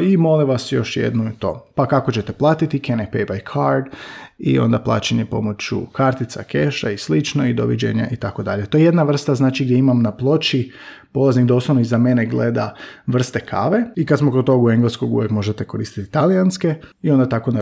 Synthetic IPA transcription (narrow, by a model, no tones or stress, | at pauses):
imo̞liʋasjo̞ʃjḛd̪nuit̪o̞̰pakakot͡ɕe̞t̪eplˠaːt̪it̪ikenepejbajkʰaɾd̪ḭo̞̰nd̪aplˠa̰ːt͡ɕeɲepo̞̰mot͡ɕṵkaɾt̪it̪sakeʃaislit͡ʃnoid̪o̰ʋid͡ʑḛɲa̰ʔit̪ako̞d̪aʎet̪ojeje̞d̪naʋr̩st̪aznaːt͡ʃiɡd̪ʲjeimamnaplˠo̞t͡ʃi | po̞lˠazniɡd̪oslˠoʋnoizame̞neɡled̪aʋr̩st̪e̞kʰa̰ʋeikad̪smokot̪o̞ɡueŋɡleskoɡṵjekmo̞ʒet̪ekoɾḭːst̪i̥t̪it̪alijanske̞io̞nd̪at̪ako̞na